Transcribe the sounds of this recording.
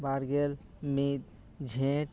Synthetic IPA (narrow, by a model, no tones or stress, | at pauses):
baɾɡel | mit̪̚ | d͡ʒʱẽʈ